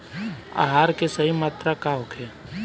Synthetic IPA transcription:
a̰ɦaːɾkesɐɦimaːt̪ɾakaɦokʰeː

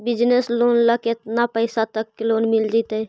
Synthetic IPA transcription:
bɪd͡ʒnesloːnləket̪napəɪsat̪əkːeloːnmɪld͡ʒit̪ɛ

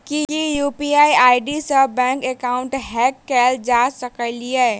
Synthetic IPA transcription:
kikijupiaiaːiɖisəbɛ̃kekaʊɳʈɦɛkːɛld͡ʒasəkəliɛː

